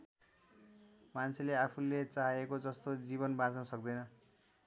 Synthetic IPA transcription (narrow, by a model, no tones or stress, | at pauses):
mant͡sʰeleapʰulːet͡saɦaekod͡zʌst̪od͡ziβʌnbãt͡snʌsʌk̚d̪ʌjnʌ